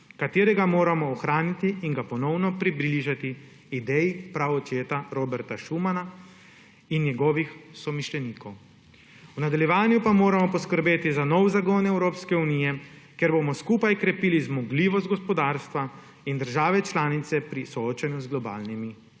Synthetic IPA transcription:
kat̪eːɾɛɡamoːɾamɔːxɾaːnit̪iːŋɡapɔnɔwnɔpɾiblliʒat̪iː | d̪ɛjipɾawɔt͡ʃeːt̪aɾoːbɛɾt̪aʃumana | inːjɛɡɔːʋixsɔmiʃlɛniːkɔw | unad̪aljɛʋaːnjupamoːɾamɔpɔskəɾbeːt̪izanɔwzaɡoːnɛwɾoːpskɛunijɛ | keɾbomɔskuːpajkɾɛpiːlizmɔɡliːʋɔst̪ɡɔspɔd̪aːɾst̪ʋa | ind̪əɾʒaːʋɛt͡ʃlaːnit̪sɛpɾisɔoːt͡ʃanjuzɡlɔba̰ːlnimi

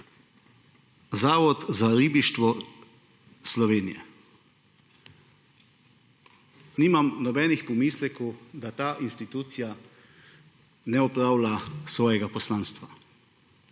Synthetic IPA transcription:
zaːʋɔt̪zaɾiːbiʃt̪ʋɔ | slɔʋeːnijɛ̰ | niːmamnɔbɛːnixpɔmiːslɛkɔwd̪at̪aːʔinst̪it̪uːt̪sija | nɛɔpɾaːwlasʋɔːjɛɡapɔslaːnst̪ʋa

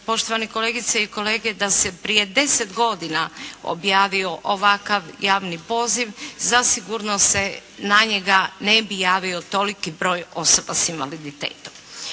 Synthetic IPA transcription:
po̞ʃt̪o̞ʋaniko̞leːɡit̪seiko̞leːɡe̞d̪ase̞pɾije̞d̪e̞sed̪ɡo̞d̪inao̰bjaːʋio̞ʔoʋakaʋjaːʋnipo̞ːziʋzasiɡuɾnose̞naɲeɡanebijaːʋio̞t̪o̞likibɾo̞ːjo̞so̞basinʋalid̪it̪ḛːt̪om

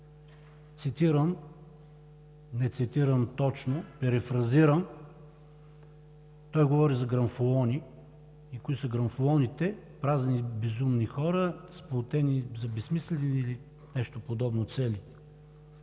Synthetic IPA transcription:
t̪sit̪iɾəm | nɛt̪sit̪iɾəmt̪ɔt͡ʃnopɛɾɛfɾɐziɾəm | t̪ɔjɡovɔɾizɐɡɾɐnfolˠɔni | ikoit̪usɐɡɾɐnfolˠɔnit̪ɛ | pɾaznibɛzumnixɔɾəsplˠot̪ɛnizɐbɛsmislɛnːli | nɛʃt̪opod̪ɔbnot̪sɛli

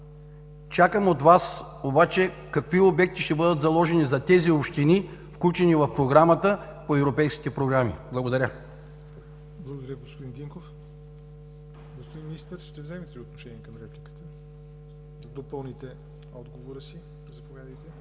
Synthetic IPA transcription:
t͡ʃakəmot̪vas | obat͡ʃɛ | kɐkviobɛk̚t̪iʃt̪ɛbɤd̪ət̪zɐlˠɔʒɛnizɐt̪ɛziopʃt̪inifklʲut͡ʃɛnivɐfpɾoɡɾamət̪əpoɛvɾopɛjsk̟ʲi̥t̪ɛpɾoɡɾamḭblˠɐɡod̪ɐɾʲə | blˠɐɡod̪ɐɾʲəɡospod̪ind̪iŋkof | ɡospod̪inminist̪əɾʃt̪ɛvzɛmɛt̪ɛiot̪noʃɛniɛkɐmɾɛplʲikə̥t̪ə | d̪opəlˠnit̪ɛ | ɔd̪ɡovoɾəsi | zɐpovʲjad̪əjt̪ɛ

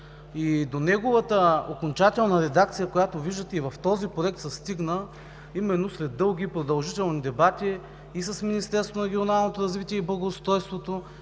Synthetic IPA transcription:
id̪onɛɡovət̪əokont͡ʃat̪ɛlˠnəɾɛd̪akt̪sijəkojat̪oviʒd̪ət̪ɛivɐft̪ɔzipɾoɛk̚t̪səst̪iɡnə | imɛnːoslɛd̪ːɤlˠɡ̟ʲipɾod̪ɐlˠʒit̪ɛlˠnid̪ɛbat̪iː | sɐsminist̪ɛɾsvonɐɾɛɡʲionalˠnot̪oɾɐzvit̪iɛiblˠɐɡoːst̪ɾɔjst̪vot̪o

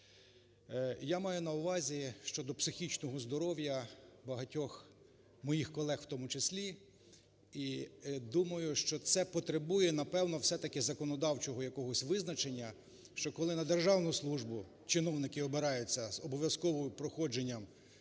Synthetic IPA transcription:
jamɑjʊnɐʊʋɑzʲiʃt͡ʃɔd̪ɔpsɪxʲit͡ʃnɔɦɔzd̪ɔɾɔwjɐbɐɦɐtʲɔx | mɔjixkɔlˠɛxwt̪ɔmʊt͡ʃesʲlʲi | id̪umɐjʊʃt͡ʃɔt̪sɛpɔt̪ɾebujɛn̪ɐpɛwnɔwsɛt̪ɐkɪzɐkɔnɔd̪ɑwt͡ʃɔɦɔjɐkɔɦɔsʲʋɪznɐt͡ʃenʲːɐ | ʃt͡ʃɔkɔlˠɪnɐd̪erʒɑwnʊslˠuʒbʊ | t͡ʃɪnɔwnɪkɪɔbeɾɑjʊt͡sʲːɐzɔbɔʋʲjɐskɔʋɔjpɾɔxɔd͡ʒenʲːɐm

